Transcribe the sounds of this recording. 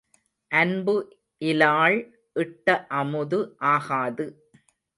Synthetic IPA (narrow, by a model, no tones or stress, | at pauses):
ʔɐnbɯ | ʔɪlaːɭ | ʔɪʈːɐʔɐmɯðɯʔaːɣaːðɯ